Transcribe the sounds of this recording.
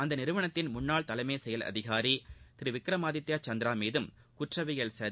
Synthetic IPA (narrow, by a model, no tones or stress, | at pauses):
ɐnd̪ɐnɪɾɯʋɐɳɐt̪ːɪnmʊnːaːɭt̪ɐlɐmeːsɛjɐlɐ̰ðɪɣaːɾit̪ɪɾɯʋɪkɾɐmaːðɪt̪ːjaːt͡ʃɐnd̪ɪɾaːmeːðɯm | kʊʈrɐʋɪjɐɭsɐɾ